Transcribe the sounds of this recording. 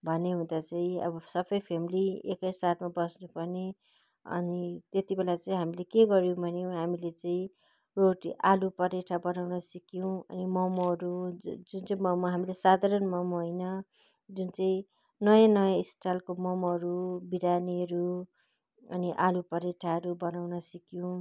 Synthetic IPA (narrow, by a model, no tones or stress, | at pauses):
bʱʌneɦũd̪at͡saĩʌ̰bʌsʌbʌjpʰemiliekʌjsat̪ʰmabʌsnupʌrne | ʌ̰nit̪et̪ibelat͡saĩɦamilekeɡʌɾjõw̃bʱʌnjõɦamilet͡saĩ | roʈiʔalupʌɾeʈʰabʌnawnʌsʌkjõʌ̰nimʌmʌɾud͡zunt͡saĩmʌmɦamilesad̪ʱaɾʌnmʌmɦojnʌ | d͡zunt͡saĩ | nʌjãnʌjãisʈʰalkomʌmʌɾubiɾaniʌɾu | ʌ̰niʔalupʌɾeʈʰaʌɾubʌnawnʌsʌkjõw̃